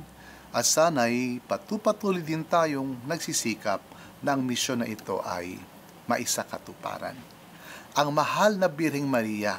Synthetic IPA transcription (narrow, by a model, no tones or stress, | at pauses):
ʔɐsaːnɐɐjpɐt̪upɐt̪uːlɪd̪ɪnt̪aːjoŋnɐɡsisiːkɐp̚ | nɐʔɐŋmɪʃo̞nːɐʔɪt̪o̞̰ʔɐ̰j | mɐʔɪsakɐt̪ʊpa̰ːɾa̰n | ʔɐŋmɐhalnɐbɪɾhɛŋmɐɾiːjɐ